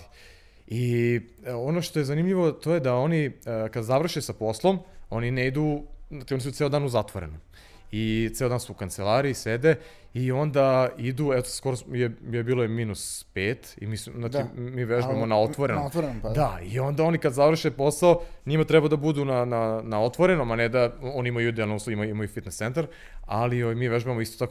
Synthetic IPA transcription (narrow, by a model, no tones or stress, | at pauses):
i | o̞noʃt̪ojezanimʎiʋo̞t̪o̞jed̪ao̞nikad̪zaʋr̩ʃesapo̞slˠomo̞nineid̪uat͡ʃio̞nisut̪eːod̪aːnuzat̪ʋoɾḛnom | it̪eod̪ansuukanselˠaːɾiːsed̪e | io̞nd̪aid̪uɛt̪o̥sko̞ɾosjejebiːlojeminuspeːt̪ḭmiːsnaːdt͡ʃimiːʋeʒaamonaot̪ʋoɾenot̪ɾd̪aio̞nd̪ao̞nikad̪zaʋr̩ʃepo̞saoɲimat̪ɾɛbad̪abud̪unananao̞t̪ʋoɾe̞nomaned̪aoːnimauid̪elnouːsloimaimaufit̪nest̪ent̪aɾ | a̰lioʋajmiːʋeʒuʋamoist̪ot̪ako